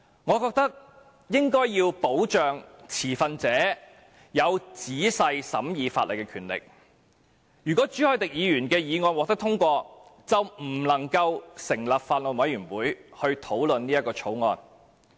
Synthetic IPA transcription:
ŋɔː˨˧kɔː˧k̚t̪ɐ˥k̚ | jɪ˥ŋkɔː˥jːiː˧wpo˨˥wt͡ʃœː˨ŋt͡sʰiː˨˩fɐ˧nt͡sɛː˨˥ | jɐ˨˧wt͡siː˨˥sɐ˧jsɐ̰˨˥mjiː˨˧fa̰ː˧t̚lɐ˨jkɛː˧kʰyː˨˩nlɪ̰˨k̚ | jyː˨˩kɔː˨˥t͡ʃyː˨˥hœː˨˥jt̪ɪ˨k̚jiː˨˧jyː˨˩nkɛː˧jiː˨˧ŋɔː˧nwɔ˨k̚t̪ɐ˥kt̪ʰʊ˥ŋkʷɔː˧t͡sɐ˨wm̩˨˩lɐ˨˩ŋkɐ˧wsɪ˨˩ŋlɐ˨p̚faː˧nlo˨˩nwɐ˨˧jɥyː˨˩nwuː˨˥jhɵ˧ɥt̪ʰo˨˥wlɵ˨nniː˥jɐ˥kːɔː˧t͡ʃʰo˨˥wŋɔː˧n

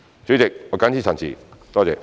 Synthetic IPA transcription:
t͡ɕy˨˥t͡sɪ˨k̚ŋɔː˨˧˩ka˨˥nt͡ɕʰiː˨˩t͡sʰa˨˩nt͡sʰḭ˨˩t̪ɔː˥t͡sɛː˧

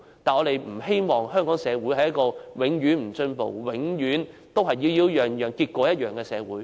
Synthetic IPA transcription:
t̪aː˨nŋɔ˨˧t̪e˨˩jm̩˨˩he˥jmɔː˨˩ŋɦœː˥ŋkɔː˨˥ŋsɛː˨˧wuː˨˥jhɐ˨jɐ˥tkɔː˧wɪ˨˥ŋɥyː˨˥nm̩˨˩sɵ˧npo̰˨˩wwɪ˨˥ŋjyː˨˥n | t̪o˥wɦɐ˨˩jji˧wji˧wjœː˨ŋjœː˨ŋkiː˧t̚kʷɔː˨˥jɐ˥t̚jœː˨ŋkɛː˧sɛː˨˧wuː˨˥j

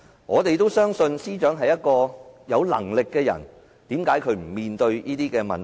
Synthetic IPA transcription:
ŋɔː˨˧t̪e˨jt̪o˥wsœː˥ŋsɵ˧nsiː˥t͡ʃœː˨˥ŋɦɐ˨jɐ˥t̚kɔː˧jɐ˨˧wlɐ̰˨˩ŋlɪ˨kːɛː˧jɐ̰˨˩n | t̪iː˨˥mkaː˨˥jkʰɵ˨˧ɥm̩˨˩miː˨nt̪ɵ˧ɥjiː˥t̪iː˥kɛː˧mɐ̰˨n

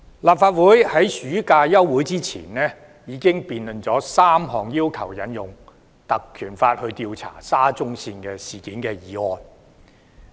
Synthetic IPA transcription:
laː˨˩p̚faː˧t̚wuː˨˥jhɐ˨˥jsyː˨˥kaː˧jɐ˥wwuː˨˥jt͡siː˥t͡sʰḭː˨˩nɛː˥ | jiː˨˧˥kɪ˥ŋpiː˨˧nlɵ˨nt͡sɔː˨˥saː˥mɦɔː˨ŋjiː˥wkʰɐ˨˩wjɐ˨˥njʊ˨˩ŋ | t̪ɐ˨kʰːyː˨˩nfaː˧t̚hɵ˧ɥt̪i˧wt͡sʰa̰ː˨˩saː˥t͡sʊ˥ŋsiː˧nkɛː˧siː˨˩kiː˨˥nkɛː˧jiː˨˥ɔː˧n

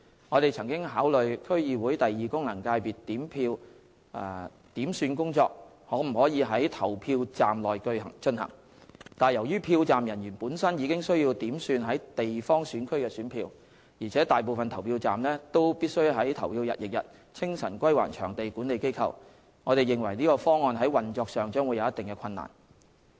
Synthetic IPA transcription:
ŋɔː˨˧t̪e˨jt͡sʰɐ˨˩ŋkɪ˥ŋɦaː˨˥wlɵ˨ɥkʰɵ˥ɥjiː˨˧wuː˨˥jt̪ɐ˨jːiː˨˩kʊ˥ŋlɐ˨˩ŋkaː˧jpiː˨tt̪ːiː˨˥mpʰiː˧w | t̪iː˨˥msyː˧nkʊ˥ŋt͡sɔː˧k̚ | hɔː˨˥m̩˨˩hɔː˨˥jiː˨˧ɦɐ˨˥jt̪ʰɐ˨˩wpʰiː˧wt͡saː˨mlɔː˨jkɵ˧ɥhɐ̰˨˩ŋt͡ʃɵ˧nhɐ̰˨˩ŋ | t̪aː˨˩njɐ˨˩wjyː˥pʰiː˧wt͡saː˨mjɐ˨˩njyː˨˩npuː˨˥nsɐ˥njiː˨˧kɪ˥ŋsɵ˥ɥjiː˧wt̪iː˨˥msyː˧nɦɐ˨˥jt̪e˨jfɔː˥ŋsyː˨˥nkʰɵ˥ɥkɛː˧syː˨˥npʰiː˧w | jiː˨˩t͡sʰɛː˨˥t̪aː˨jp̬o˨˧wfɐ˨nt̪ʰɐ˨˩wpʰiː˧wt͡saː˨mlɛː˥t̪o˥wpiː˥t̚sɵ˥ɥɦɐ˨˥jt̪ʰɐ˨˩wpʰiː˧wjɐ̰˨t̚jɪ˨k̚jɐ̰˨t̚ | t͡sʰɪ˥ŋsɐ˨˩nkʷɐ˥jwa̰ː˨˩nt͡ʃʰœ̰ː˨˩ŋt̪e˨jkuː˨˥nle˨˧jke˥jkʰɐ̰˨w | ŋɔː˨˧t̪e˨jɪ˨ŋwɐ˨˩jniː˥kɔː˧fɔː˥ŋːɔː˧nɦɐ˨˥jwɐ˨nt͡ʃɔː˧k̚sœː˨ŋt͡ʃœː˥ŋwu˨˧jɐ˨˧wjɐ˥t̪ɪ˨ŋkɛ˧kʰɐ˧nːa̰ː˨˩n

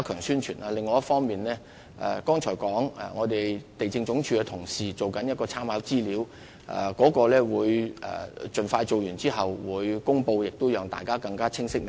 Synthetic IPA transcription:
kʰœː˨˩ŋsyː˥nt͡ʃʰyː˨˩nʔaː˧lɪ˨ŋːɔː˨˧jɐ˥tfɔː˥ŋmiː˨nlɛː˥ | ʔɛ̰˨kɔː˥ŋt͡ʃʰɔː˨˩jkɔː˨˥ŋɛ̰˨˩ŋɔː˨˧d̪e˨jt̪e˨jt͡sɪ˧ŋt͡ʃʊ˨˥ŋt͡ʃʰyː˧kɛ˧t̪ʰʊ˨˩ŋsiː˨t͡so˨wkɐ˨˥njɐ˥t̚kɔː˧t͡sʰaː˥mhaː˨˥wt͡siː˥liː˨˥w | ʔɛ̰˨˩kɔː˨˥kɔː˧lɛː˥wuː˨˧jɛ̰˨t͡ʃɵ˨nfaː˧jt͡ʃo˨wjyː˨˩nt͡siː˥ɦɐ˨wːuː˨˧jkʊ˥ŋpo˧wjɪ˨k̚t̪o˥wjœː˨ŋt̪a̰ː˨jkaː˥kɐ˧ŋkaː˥t͡sʰɪ˥ŋsɪ˥k̚m˨˩

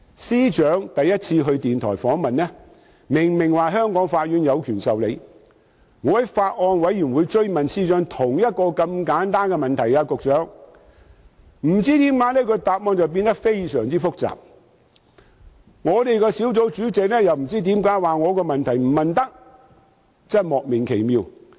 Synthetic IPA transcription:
siː˥t͡ʃœː˨˥ŋt̪ɐ˨jːɐ˥t̚t͡sʰiː˧ɦɵ˧ɥt̪iː˨nt̪ʰɔ̰ː˨˩jfɔː˨˥ŋmɐ˨nnɛː˥ | mɪ˨˩ŋmɪ˨˩ŋwaː˨ɦœː˥ŋkɔː˨˥ŋfaː˧t̚ɥyː˨˧njɐ˨˧wkʰyː˨˩nsɐ˨wle˨˧j | ŋɔː˨˧ɐ˨˥jfaː˧t̚ŋɔː˧nwɐ˨˥jjyː˨˩nwu˨˧jt͡ʃɵ˥ɥmɐ˨nsiː˥t͡ʃœː˨˥ŋt̪ʰʊ˨˩ŋjɐ˥t̚kɔː˧kɐ˧mkaː˨˥nt̪aː˥nkɛ˧mɐ˨nt̪ʰɐ˨˩jkaː˧kʊ˨k̚t͡ʃœː˨˥ŋ | m̩˨˩t͡siː˥t̪iː˨˥mkaː˨˥nɛː˥kʰɵ˨˧jt̪aː˨p̚mɔː˧nt͡sɐ˨wp̬i˧nt̪ɐ˥k̚fe˥jsœː˨˩ŋt͡siː˥fʊ˥k̚t͡sa̰ː˨p̚ | ŋɔː˨˧t̪e˨jkɛː˧si˨˥wt͡so˨˥wt͡syː˨˥t͡sɪ˨k̚lɛː˥jɐ˨wm̩˨˩t͡siː˥t̪̬iː˨˥mkaː˨˥jwaː˨˩ŋɔː˨˧kɔː˧mɐ˨nt̪ʰɐ˨˩jm̩˨˩mɐ˨nt̪ɐ˥k̚ | t͡sɐ˥˩mɔː˨k̚mɪ˨˩ŋkʰe˨˩jmiː˧w

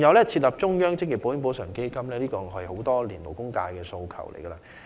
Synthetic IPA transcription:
ŋjɐ˨˧wlɛː˥t͡sʰi˧t̚lɐ˨p̚t͡ʃʊ˥ŋjœː˥ŋt͡sɪ˥ŋ̚ji˨˩po˨˥wjɪ˥ŋpo˨˥wsœː˨˩ŋke˥jkɐ˥mlɛː˥liː˥kɔː˧ŋɦɐ˨jho˨˥wt̪ɔː˥liː˨˩nlo˨˩wkʊ˥ŋka̰ː˧jkɛː˧so˧wkʰɐ̰˨˩wlḛ˨˩jɡɐː˧laː˧˥

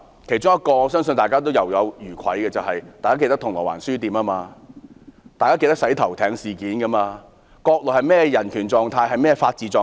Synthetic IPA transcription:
kʰe˨˩jt͡ʃʊ˥ŋjɐ˥t̚kɔː˧sœː˥ŋs̬ɵ˧nt̪aː˨jkaː˥t̪o˥wjɐ˨wjɐ˨˧wjyː˨˩kʷʰɐ̰˨˥jkɛ˧t͡sɐ˨wɦɐ˨jt̪aː˨˩kaː˥ke˧t̪ɐ˥t̪ʰʊ˨˩ŋlɔː˨˩wa̰ː˨˩nsyː˥t̪iː˨˧maː˥maː˧ | t̪aː˨jkaː˥ke˧jt̪ɐ˥k̚sɐ˨˥jt̪ʰɐ˨˩wt̪ʰɛː˨˧ŋsiː˨kiː˨˥nkɐ˧maː˧ | kɔː˧k̚lɔː˨˩hɐ˨jmɛː˥˧jɐ˨˩nkʰyː˨˩nt͡sɔː˨ŋt̪ʰaː˧jɦɐ˨jmɛː˥˧faː˧t̚t͡siː˨˩t͡sɔː˨

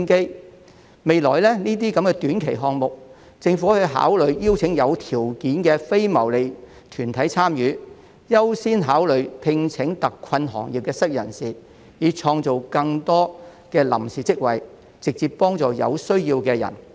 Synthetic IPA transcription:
nke˥j | me˨jlɔː˨˩jlɛː˥niː˥t̪̬iː˥kɐ˨˥mkɛː˧t̪yː˨˥nkʰe˨˩jɦɔː˧ŋmʊ˨k̚ | t͡sɪ˧ŋfu˨˥hɵ˨˧ɦa̰ː˨˥wlɵ˨˧ɥjiː˥wt͡sʰɪ˨˥ŋjɐ˨˧wt̪ʰiː˨˩wkiː˨˥nkɛː˧fe˥jmɐ˨˩wle˨j | t̪ʰyː˨˩nt̪ʰɐ˨˥jt͡sʰaː˥mjyː˨˥ | jɐ˥wsiː˥nɦaː˨˥wlɵ˨˧ɥpʰɪ˧ŋt͡sʰɪ˨˥ŋt̪ɐ˨kʰːɐ˧nɦɔ̰ː˨˩ŋji˨p̚kɛː˧sɐ˥k̚jɐ̰˨˩nsiː˨ | jiː˨˧t͡ʃʰɔː˧ŋt͡so˨wkɐ˧ŋt̪ɔː˥kɛː˧lɐ̰˨˩msiː˨t͡sɪ˥k̚wɐ˨j | t͡sɪ˨k̚t͡siː˨ppːɔː˥ŋt͡sɔː˨jɐ̰˨˧wsɵ˥ɥjiː˧wkɛː˧jɐ̰˨˩n

